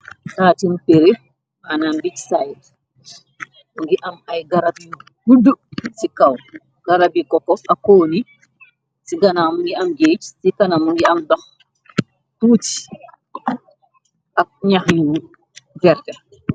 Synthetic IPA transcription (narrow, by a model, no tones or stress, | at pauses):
taːtinpeɾe | ʔanambit͡ʃsajd | ŋɡiʔamhajɡaɾabi | hudusikaw | ɡ̥aɾabikɔkːɔfakoːni | siɡanamuŋɡiamɡet͡ʃsikanamuŋɡiamdax | tuːt͡ʃi̥ | ʔaɲahju | vɛɾtɛ